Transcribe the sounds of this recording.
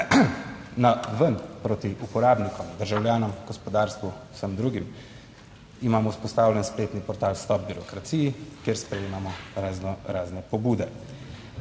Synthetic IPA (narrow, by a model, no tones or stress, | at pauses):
naʋənpɾoːt̪iʔupɔɾaːbnikɔmd̪əɾʒawljaːnɔmɡ̥ɔspɔd̪aːɾst̪ʋu̥səmd̪ɾuɡim | imaːmɔuspɔst̪aːwljɛnspleːt̪nipɔɾt̪aːlst̪ɔb̚biɾɔkɾat̪siːjikjeɾspɾɛjeːmamɔɾaznɔɾaːznɛpɔbuːd̪ɛ